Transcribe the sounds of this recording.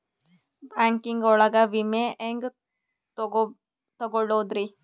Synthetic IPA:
baŋkiŋɡɔɭaɡaʋimeʔeŋɡ | t̪ɔɡoɭod̪ɾi

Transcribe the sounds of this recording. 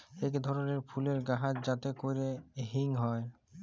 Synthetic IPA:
ekd̪ʱɔɾoneɾpʰuleɾɡaɦat̪d͡ʑat̪ekojɾeɦiŋɦɔe

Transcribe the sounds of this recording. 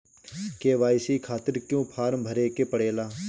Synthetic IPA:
keːʋaːɪsiːkʰaːt̪ɪɾkjõːpʰaːɾmbʱəɾeːkeːpəɽeːlaː

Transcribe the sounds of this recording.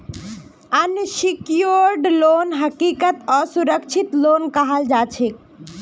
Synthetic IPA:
ənsikjoɾɖlonɦəkikət̪ɔsuɾəkt͡ʃʰit̪lonkəɦəld͡ʒat͡ʃʰik

